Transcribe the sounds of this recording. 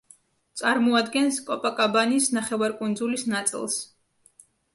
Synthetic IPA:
t̪sʼaɾmɔad̪ɡɛnskʼɔpʼakʼabanisnaχɛvaɾkʼund̪zulisnat̪sʼḭlˠs

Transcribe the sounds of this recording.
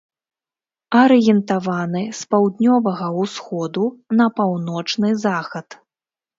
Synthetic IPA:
ɐɾɨjɛnt̪avanɨspawd̪nʲɔvɐɣɐwsxɔd̪unɐpawnɔt͡ʂnɨzaxɐt̪

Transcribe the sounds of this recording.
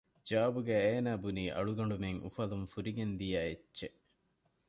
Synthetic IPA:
d͡ʒaːɐbuɡæːeːnæːbuniːʔɐ̰ɭuɡɐɳɖumeŋʔṵfɐlumfuɾiɡend̪ijæːetːʃe

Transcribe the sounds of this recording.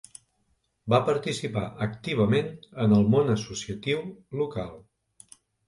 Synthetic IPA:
bapəɾt̪isipaʔəkt̪iβ̞əmenənəlˠmonəsusiət̪iwluka̰lˠ

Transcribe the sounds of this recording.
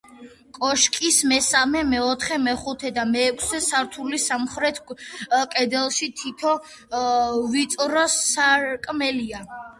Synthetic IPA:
kʼɔʃkʼismɛsamɛmɛɔt̪ʰχɛmɛχut̪ʰɛd̪amɛːkʰsɛsaɾt̪ʰulisamχɾɛt̪ʰkʼɛd̪ɛlˠʃit̪ʰit̪ʰɔ | vit̪sʼɾɔsaɾkʼmɛlia

